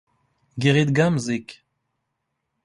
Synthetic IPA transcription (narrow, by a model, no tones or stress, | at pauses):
ɡeʁet̪̚ɡamzek